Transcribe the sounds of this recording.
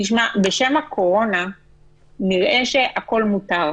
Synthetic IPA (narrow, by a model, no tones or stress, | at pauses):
iʃmabeʃe̞makʰo̞ʁo̞na | niʁʔe̞ʃe̞ʔako̞lmutaʁ